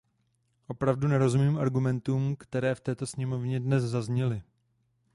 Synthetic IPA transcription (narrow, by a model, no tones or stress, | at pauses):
ʔo̞pɾavdunɛɾo̞zumiːmʔaɾɡumɛnt̪uːmkt̪ɛɾɛːft̪ɛːt̪o̞sɲɛmo̞vɲɛdnɛszazɲɛlɪ